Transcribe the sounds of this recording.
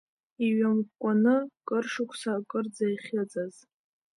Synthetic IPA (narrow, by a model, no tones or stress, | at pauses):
iɥamkʷʼanɨkʼɨrʂʊkʷʰsakʼɨrd͡zajχʲɪd͡zʼaz